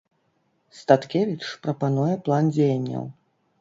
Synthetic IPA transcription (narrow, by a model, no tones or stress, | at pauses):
st̪at̪kʲevʲit͡ʂpɾɐpanujɛplˠand͡zʲejɐnʲːɐ̰w